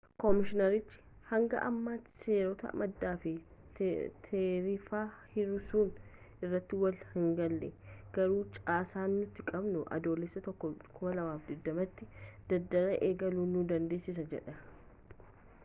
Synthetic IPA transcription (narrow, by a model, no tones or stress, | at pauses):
kɔmɪʃɪnɐɾɪt͡ʃːɪ̥ | hɐŋɡɐ̰ʔɐ̰mːaːseːɾɔt̪ɐ̰mɐd̪ːaːfɪ | t̪ʰeːɾɪfaːhɪɾʊsuːn | ɪrːɐt̪ːɪwɐlhɪŋɡɐlːɛ̰ɡ̥ɐɾuːt͡ʃʼaːsaːnːʊt̪ːɪkʼɐbnʊʔɐ̰d̪o̞ːlɛsːɐt̪ɔkːɔkʰʊmɐlɐwaːfd̪ɪd̪ːɐmɐt̪ːɪd̪̥ɐd̪ːɐɾɐʔeːɡɐluːnud̪ɐnd̪e̞ːsːɪs̬ɐd͡ʒɛᶑɐ